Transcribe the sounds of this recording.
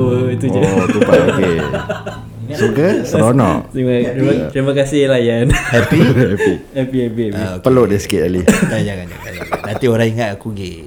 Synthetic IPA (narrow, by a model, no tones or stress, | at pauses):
oiud͡ʒat̪upaʔoke | sukəsəɾonɔ̰ʔ̪ɾimaɾiat̪ɾimakasɪhlajanhɛpihɛpihɛpiɛpiɛpipəloʔdisi̥kɪt̪̚alidad͡ʒakaɲa̰aɲanant̪ioɾãiŋat̪akuɡi